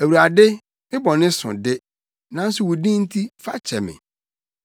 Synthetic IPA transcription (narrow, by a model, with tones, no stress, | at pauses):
æ˨wu˨a˨dɪ˦ | mɪ̃˦bɔ˨nɪ̃˦sʊ̰̃˨dɪ˦ | nã˦n̩˦sʊ˦wʊ˨dĩ˦n̩˦tʰi˦fa̰˦t͡ɕʰɛ˨mɪ̰̃˨